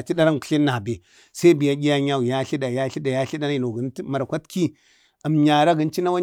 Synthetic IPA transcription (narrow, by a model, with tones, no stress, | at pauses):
t͡ʃi˦ɗa˦ɾa˦nkɬi˦nːa˨be˨ | sa˦i˦bi˨ja˦ɡʲi˦ja˦ɲa˦u˨ja˦ɬi˦da˨ja˦ɬi˦da˨ja˦ɬi˦da˦n˦i˨no˨ɡi˨˦n˦ma˨ɾkʷa˦tki˦ | a˨mɲa˨ɾa˦ɡə˨˦nt͡ʃi˦na˦wa˦